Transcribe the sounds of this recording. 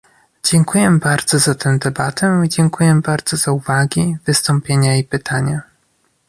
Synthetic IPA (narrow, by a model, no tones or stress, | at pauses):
d͡ʑɛŋkujɛbaɾd̪z̥ɔzat̪ɛw̃d̪ɛbat̪ʰɛid͡ʑɛŋkujɛbaɾd̪zɔzauvaɡʲivɘst̪ɔ̃mpʲjeɲaipɘt̪ʰaɲa